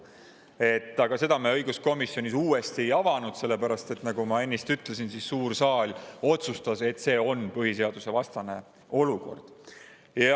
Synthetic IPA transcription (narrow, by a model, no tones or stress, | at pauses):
e̞t̪ːˑɑɡ̥ɑse̞d̪ɑmeɤjɡ̥usko̞misːjo̞nʲisuːe̞st̪ie̞jɑvɑnud̪̥se̞lːe̞pæɾɑst̪e̞t̪nɑɡ̥umɑe̞nʲːist̪yt̪ˑlesinsissuːrsɑːlʲo̞t̪sust̪ɑse̞t̪ːˑse̞ːo̞npɤɦise̞ɑd̪̥use̞vɑst̪ɑne̞ | o̞luko̞̰rd̪̥ | jɑ